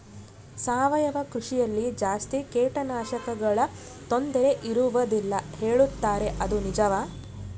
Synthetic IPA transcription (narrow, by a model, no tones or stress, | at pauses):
saːʋɐjɐʋɐkɾuʂijɐlːid͡ʒaːst̪ikɛːʈɐnaːʃɐkɐɡɐɭɐ | t̪o̞nd̪ɛɾe̞ʔiɾuʋɐd̪ilːɐhe̞ːɭut̪ːaːɾe̞ʔɐd̪unid͡ʒɐʋaː